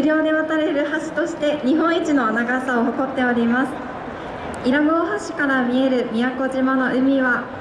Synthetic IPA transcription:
ɯɾʲo̞ːd̪e̞βat̪aɾe̞ɾɯ̟haɕi̥t̪o̞ɕi̥t̪e̞ɲ̟iɦõ̞ɰ̃it͡ɕino̞naɡasaoɦo̞ko̞t̪ːe̞o̞ɾʲimasɨ̥ | iɾaɡo̞ːɦaɕi̥kaɾamʲie̞ɾɯ̟mʲijako̞ʑimano̞ʔɯ̟mʲiβa

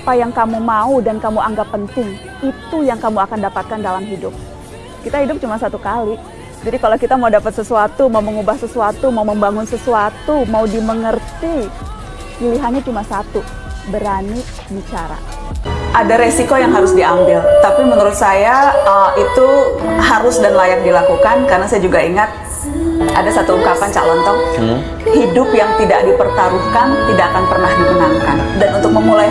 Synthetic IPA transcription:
apajaŋkamumaudankamuʔaŋɡapːənt̪ɪŋ | it̪ujaŋkamuakandapat̪̚kandalamɦidʊp̚ | kit̪aɦidʊp̚t͡ʃumasat̪ukali | d͡ʒadikalakit̪amaudapət̪̚səsuat̪umauməŋubahsəsuat̪umauməmbaŋʊnsəsuat̪umaudiməŋərt̪i | piliɦanɲat͡ʃumasat̪u | bəɾani | bit͡ʃaɾa̰ | ʔadaɾesikojaŋɦaɾʊsdiambɪlt̪apiməŋəɾʊt̪̚sajaəit̪uhaɾʊsdanlajak̚dilakukankaɾənasajad͡ʒuɡaiŋat̪̚ | a̰dasat̪uuŋkapaɲt͡ʃa̰ʔlɔnt̪ɔŋ | hidʊpjaŋt̪idak̚dipərt̪aɾukant̪idaʔakanpərnahdikənaŋka̰n | danunt̪ʊk̚məmulaj

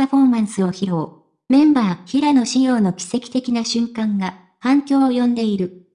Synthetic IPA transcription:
aɸo̞ːmãɰ̃sɨo̞çiɾo̞ː | mẽ̞mbaːçiɾano̞ɕijo̞ːno̞kʲi̥se̞kʲi̥t̪e̞kʲinaɕɨ̃ŋkãŋɡa | hãŋkʲo̞ːjõ̞nd̪e̞iɾɯ̟

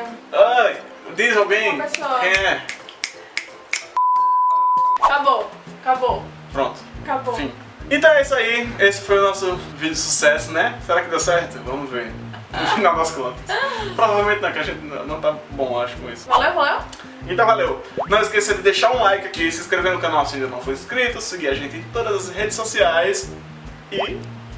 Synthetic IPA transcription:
aj | d̪izawɡẽj̃esɛ | kabokabo | pɾõt̪ʊ̥kabosĩ | ẽt̪ɐ̃w̃ɛisaiesɪ̥fojʊnɔsʊvĩd̪ʊʊsu̥sɛsʊnɛseɾakɪd̪ewsɛɾt̪ʊvɐ̃mʊzveɾ̃ | fĩnawvɐsklɐ̃t̪ɐspɾovavewmẽnt̪ɪnɐ̃w̃kɪaʒẽnt̪ɪnɐ̰̃nɐ̃w̃t̪abõaʃʊ̥kõisʊ̥valevɛ | ẽnt̪ɐ̃w̃valew | nɐ̃w̃ɪskesed̪ɪd̪eʃaɾũlajkɪakisɪskɾevẽd̪ʊ̃kɐ̃nawsĩd̪ɐnɐ̃w̃fojɪskɾit̪ʊsɪɡiaʒẽnt̪ɪẽt̪od̪ɐzɐshed͡ʒɪsːosiajs | ɪ

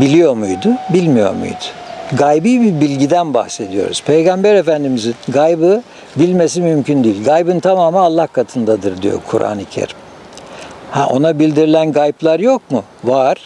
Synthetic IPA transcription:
bilʲijo̞ɾmujd̪ʊbilʲmijo̞̰ɾmṵjd̪ʊ̥ɡajbɯjbibilʲɟid̪ænba̰hse̞d̪ijo̞̰ɾuz̥pʰejɡambæɾe̞fænd̪imizinɡajbɯ | bilʲme̞s̬imymcʰynd̪ijilʲɡajbɯnt̪ʰamaːmɯalˠːahkʰat̪ʰɯnd̪ad̪ɯɾd̪ijo̞̰kʰṵɾʔa̰ːnicʰḛɾim | hæʔo̞nabilʲd̪iɾilʲænɡajplˠaɾjo̞k̚mu | vaɾ̥

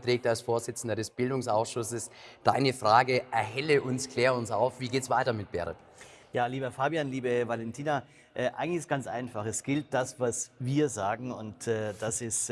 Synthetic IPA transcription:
tʁ̥ɛːk̚talsfoːɐzɪt͡sn̩dɐɾɛsb̥ɪldʊŋsaʊsʃʊsəsd̥aɪnəfʁ̥aːɡəʔɛɐɦɛləʔʊnskl̥eːʁəʊnsa̰ʊfv̥iːɡeːtsv̥aɪtɐmɪt̚b̥ɛ̰ʁə̰t | jaːliːbɐfaːbjanliːbəvalɛntʰiːna | ʔɛʔa̰ɪɡŋl̩ɪçɪstɡ̥ant͡sʔa̰ɪnfaχɛsɡ̥ɪlt̚d̥asv̥asviːɐzaːɡŋ̩ʊntɛːd̥asɪst

